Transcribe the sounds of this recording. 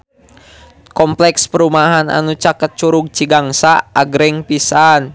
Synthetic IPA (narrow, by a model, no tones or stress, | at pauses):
kɔmplɛkspəɾumaɦana̰nut͡ʃakət̪̚t͡ʃuɾuɡ̚t͡ʃiɡaŋsaaɡɾɛŋpisan